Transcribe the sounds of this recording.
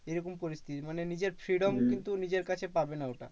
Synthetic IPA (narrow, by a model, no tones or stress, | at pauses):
ejɾɔkompoɾist̪ʰit̪imanenid͡ʑeɾfɾiɖomkint̪unid͡ʑeɾkat͡ɕʰepabenaoʈa̰